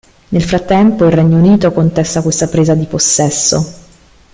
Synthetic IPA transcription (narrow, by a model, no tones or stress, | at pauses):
nelfɾat̪ːɛmpoilrɛɲːouniːt̪okont̪ɛst̪akwest̪apɾeːzad̪iposːɛsːo